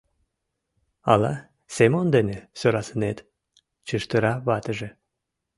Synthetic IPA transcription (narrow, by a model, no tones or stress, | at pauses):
ɑlɑ | semond̪enesøɾɑsənet̪ | t͡ɕəʃt̪əɾɑβɑt̪əʒe